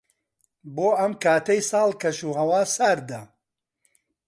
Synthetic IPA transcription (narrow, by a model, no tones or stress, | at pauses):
boːɐmkʰaːt̪ɐjsɑːlˠkʰɐʃuːɦɐwaːsaɾd̪ɐ